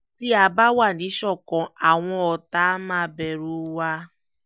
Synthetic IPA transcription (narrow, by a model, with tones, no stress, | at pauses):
ti˦a˨ba˦wa˦˨ni˨˦ʃɔ˦˨kɔ̃˨a˨ŋʷɔ̃˦ɔ˨ta˦ma˦˨be˨ɾu˦wa˦